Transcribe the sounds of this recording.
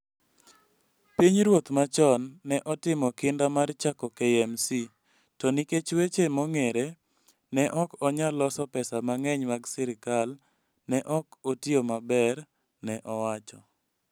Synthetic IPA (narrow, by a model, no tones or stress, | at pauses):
piɲɾwot̪mat͡ʃɔnːɛʔɔtɪmɔkɪndamart͡ʃakɔkɛɛmsi | tɔniket͡ʃwet͡ʃemɔŋeɾe | nɛʔɔkɔɲalɔsɔpɛsamaŋɛɲmaɡsɪɾɪkal | nɛʔɔkotiomabɛɾ | nɛʔɔwat͡ʃɔ